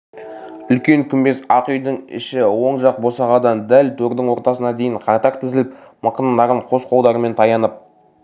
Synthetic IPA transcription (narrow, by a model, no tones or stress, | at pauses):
ʏlkʲe̞ŋkʲʰʏmbe̞sɑqʏjd̪ɪŋɪ̰ʃɪwo̞ɴʒɑq̚bo̞sɑʁɑd̪ɑnd̪ælt̪ʰɵɾd̪ɪŋwo̞ɾt̪ɑsənɑd̪e̞jɪɴqʰɑt̪ɑɾt̪ʰɪzɪlɪpməqənənd̪ɑɾəɴqʰo̞sqʰo̞lˠd̪ɑɾəme̞nt̪ʰɑjɑnəp̚